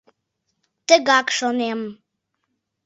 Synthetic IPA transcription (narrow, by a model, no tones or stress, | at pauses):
t̪əɡakʂonem